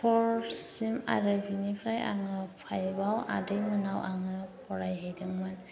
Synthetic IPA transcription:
pʰɔɾsima̰ɾɯbinipʰɾaja̰ŋɯpʰajbawa̰dɯjmɯnawʔaŋɯpʰɔɾajɦajdɯŋman

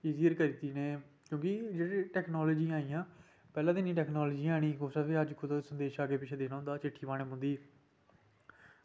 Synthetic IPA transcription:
iːziːəɾkəɾit̪iːneː | kjõːkid͡ʒeːɽeːʈɛːknɔːlɔːd͡ʒiːaːiːãː | pɛːlãːd̪ɪnĩːʈɛːknɔːlɔːd͡ʒiːaːɽ̃iːkoːsaːʋeːəd͡ʒkʰosənd̪eːʃaːɡeːpɪt͡ʃʰeːd̪eːnaːɦʊ̃nd̪aːt͡ʃɪʈʰːiːpaːɽ̃neːmʊ̃nd̪iː

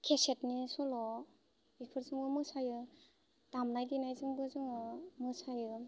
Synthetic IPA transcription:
kʰesetnisɔlɔ | bipʰɯɾzɯŋbɯmɯsajɯ | tamnajdinajzɯŋbɯzɯŋɯmɯsajɯ

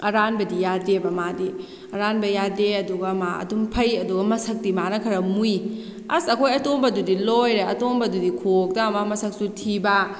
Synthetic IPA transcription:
ɐɾanbɐdijadebɐmadi | ɐɾanbɐjadeɐduɡɐmaɐ̰dumpʰɐjɐduɡɐmɐsɐk̚dimanɐkʰɐɾɐmuj | ɐ̰sɐkʰojɐtombɐdudilojɾeɐtombɐdudikʰok̚dɐmɐmɐsɐk̚sutʰibɐ

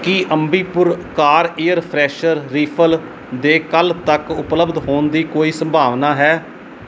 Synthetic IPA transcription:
kiʔəmbiːpʊɾkaːɾeːəɾpʰɾɛːʃəɾːiːpʰəl | d̪eːkəlt̪əkʊpləbd̪ɦoːnd̪iːkoːiːsəmbʱaːʋnaːɦɛː

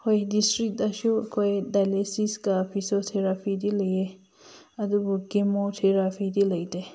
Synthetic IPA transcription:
hojdistɾik̚tasukʰojdajlesiskapʰisotʰeɾapʰidilaje | ɐdubukimotʰeɾapʰidilajde

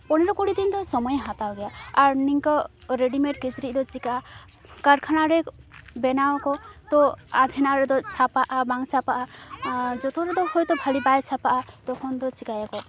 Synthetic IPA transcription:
pɔɽ̃iɾɔkuɽid̪ind̪ɔsɔmɔjɛɦat̪awɡɛjaaɾniŋkɔ | ɾeɖimeʈ̚kid͡ʒɾid̪ɔt͡ʃikaʔa | kaɾkʰaɽ̃aɾɛbɛnawkɔt̪ɔad̪ʱɛnaɾɛd̪ɔt͡ʃʰapaʔabaŋsʰapaʔa | d͡ʒɔt̪ɔɾɛd̪ɔhojt̪ɔbʱalibajt͡ʃʰapaʔat̪ɔkʰɔnd̪ɔt͡ʃikajakɔ

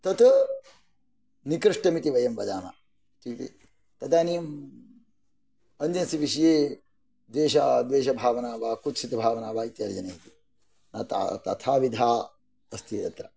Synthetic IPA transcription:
t̪ɐt̪ | nikɾɨʂʈɐmit̪iʋɐjɐmʋɐd̪aːmɐ̰ | t̪it̪ḭ | t̪ɐt̪aːnijɐm | ɐnd̪ɐnsiʋiʃɐjeː | d̪ʋeːʃad̪ʋeːʃɐbʱaːʋɐnaːʋaːkut̪sit̪ɐbʱaːʋɐnaːʋaːit̪jɐɾd͡ʒɐneːit̪i | nɐt̪a̰t̪ɐ̰t̪ʰaːʋid̪ʱaː | ɐst̪ʰijɐ̰t̪ɾɐ

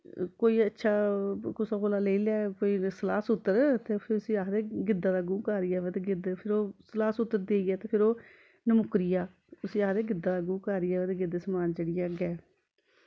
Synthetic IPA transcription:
koːiːətːʃʰaːkʊsaːkoːlaːleːilɛːkoːiːsəlaːsʊt̪ːəɾt̪eːpʰɪʊsĩːaːɦd̪eːɡɪd̪ːaːd̪aːɡũːkaːɾiːɛːʋet̪eɡɪd̪pʰɪɾoːsəlaːsʊt̪ːəɾd̪eːiːɛːt̪eːpʰɪɾoː | nəmʊkɾijaː | ʊsĩːaːd̪eːɡɪd̪aːd̪aːɡũːkaːɾɪːɛːʋɛːt̪eɡɪd̪səmaːnd͡ʒeːɽɪjãːɡɛː

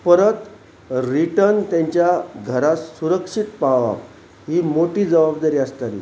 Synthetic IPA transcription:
pəɾət̪ | ɾiʈəɾnt̪jãɲt͡ɕjaɡʱəɾasuɾəkʂit̪paʋa̰p | ɦiːmoʈiːd͡zəʋabd̪aɾiast̪aɾḭ

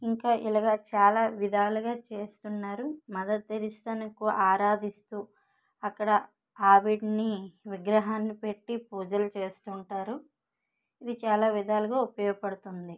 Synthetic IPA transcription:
iŋkaːʔilɐɡaːt͡ʃaːlaːʋid̪aːluɡaːt͡ʃeːst̪unːaːɾumɐd̪ɐt̪̚ːeɾist̪ɐnɐkuaːɾaːd̪ist̪uː | ɐkːɐɽɐ | aːʋiɖniʋiɡɾɐɦaːnːipeʈːipuːd͡ʒɐlut͡ʃe̞ːst̪uɳʈaːɾu | id̪it͡ʃaːlaːʋid̪ʱaːluɡaːupɐjɔːɡɐpɐɽut̪und̪i

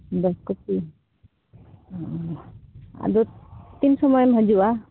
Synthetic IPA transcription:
d̪ɔskɔpi | a̰d̪ut̪insɔmɔjɔmɦɔd͡ʒua

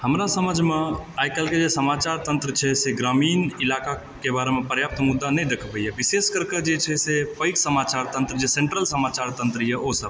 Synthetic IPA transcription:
həmɾasəməd͡ʒʱmeajkəlked͡ʒesəmat͡ʃaɾt̪ənt̪ɾət͡ʃʰɛseɡɾamiːnilaka | kebaɾemepəɾjap̚t̪mud̪ːanɛjd̪ekʰbəɛbiseskəɾked͡ʒet͡ʃʰɛsepəɪksəmat͡ʃaɾt̪ə̃nt̪ɾəd͡ʒesẽɳʈɾəlsəmat͡ʃaɾt̪ənt̪ɾəjɛʔosəb̚

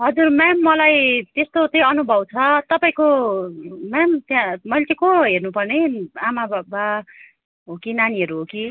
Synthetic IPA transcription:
ɦʌd͡zurmamːʌlajt̪est̪ot͡sʌĩʌnubʱʌbt͡sʰʌt̪ʌpãĩko | mamt̪jãmʌjlet͡sʰʌ̃ĩkõɦernupʌrneamababa | ɦokinaniɦʌɾuɦoki

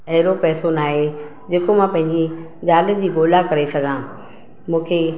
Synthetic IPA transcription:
ɐɦɪɾopɛːsonaːɦe | d͡ʑeːkomãpɐ̃ɦɪ̃ɲd͡ʑi | d͡ʑaːlə̆d͡ʑiːɡoːlakɐɾesɐɡʱãː | mũːkʰe

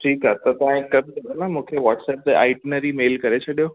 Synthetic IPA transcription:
ʈʰiːkɦaːt̪ɐt̪ɐʋãẽkɐb̚t̪ɐbʱnãmũːkʰeʋɔːʈsɛːp̚d̪ea̰ɪʈnəɾimeːlkɐɾet͡ɕʰɐɗijo

